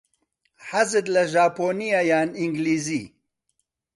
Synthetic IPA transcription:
ħɐzɨd̪lɐʒaːpoːnijajaːniŋɡliːzḭː

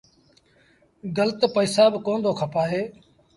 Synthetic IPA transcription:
ɡələt̪pəɪsaːbkoːnd̪ʱoːkʰəpaːɦeː

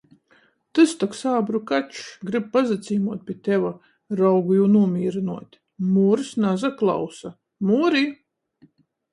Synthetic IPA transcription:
t̪ɨst̪aksaːbɾukat͡ʃɡɾɨb̚pazat̪sʲiːmuɔt̪̚pʲiɛt̪ɛva | ɾawɡujuːnuɔmʲiːɾɨnuɔt̪ʲ | muːɾsnazaklˠa̰wsa | muːɾi

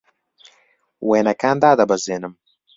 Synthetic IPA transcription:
weːnɐkaːnd̪aːd̪ɐbɐzeːnɨm

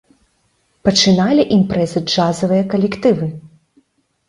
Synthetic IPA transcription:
pɐt͡ʂɨnalʲiʔimpɾɛzɨd͡ʐazɐvɨjɐkɐlʲɛkt̪ɨvɨ

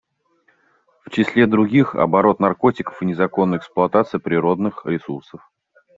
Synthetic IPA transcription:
ft͡ɕɪsʲlʲed̪ɾʊɡʲixɐ̰bɐɾo̞t̪nɐrko̞tʲɪkə̥fɨnʲɪzɐko̞nːəjɛksplˠʊɐt̪at̪sɨjəpɾʲɪɾo̞d̪nɨxɾʲɪsursəf

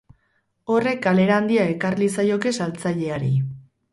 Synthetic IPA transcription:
o̞re̞kale̞ɾaːnd̪iae̞karlisajo̞ke̞salt͡saʎe̞aɾi

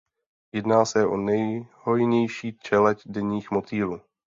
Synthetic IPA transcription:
jɛdnaːsɛʔo̞nɛjho̞jɲɛjʃiːt͡ʃɛlɛcdɛɲiːxmo̞t̪iːɾuː

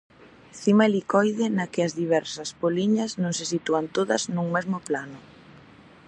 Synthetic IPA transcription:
θimalikɔjðɪnakɪɐzðiβ̞ɛɾsɐspoliɲɐsnõŋsesit̪uɐnt̪oðɐznuŋmezmʊplanʊ

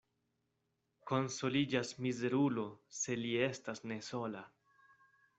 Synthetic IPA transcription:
ko̞nso̞lid͡ʒasmize̞ɾulo̞se̞lie̞stasne̞so̞la

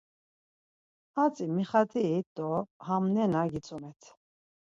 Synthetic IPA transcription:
at͡sʼimiχat̪ʰiːd̪ɔhamnɛnaɡit͡sʼumɛt̪ʰ

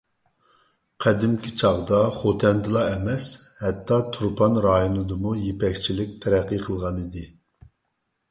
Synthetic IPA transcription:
qʰɛd̪ɪmkʲʰit͡ʃʰɑʁd̪ɑχot̪ʰɛnd̪ɨlˠɑɛmɛshɛt̪ʰːɑt̪ʰuɾpʰɑnɾɑːjonɨd̪ɨmujepɛkʲt͡ʃʰilɪk̚ʲt̪ʰɛɾɛqːəqʰəlˠʁɑnid̪ɨ

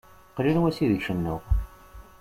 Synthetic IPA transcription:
qlilwæsiðʃənːʊʁ

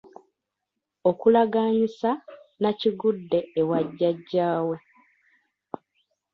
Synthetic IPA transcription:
okulaɡaːɲisanaciɡudːe̞ːwaɟːaɟːaːwe̞

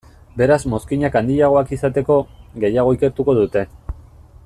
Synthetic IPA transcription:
be̞ɾazmo̞skiɲakand̪iʎaɣ̞o̞akisat̪e̞ko̞ɣe̞jaɣ̞o̞ike̞ɾt̪uko̞ðut̪e̞

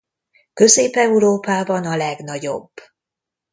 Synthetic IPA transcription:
kø̞zeːpɛuɾoːpaːbɒnɒlɛɡnɒɟo̞̰bː

